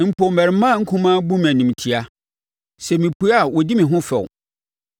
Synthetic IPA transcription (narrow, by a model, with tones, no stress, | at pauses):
m̩˨pʰo˨mɛ˨ɾɪ˨mã˦˨ŋ̩˦kʰũ˦mãː˦bũ˦m̃˨æ˨nũ˨m˨tʰi˨a˦ | sɛ˨mĩ˨pʰu˨˦a˦˨wɔ˨di˦mɪ̃˨ɦʊ̃˦fɛ̰˨ʊ̰˨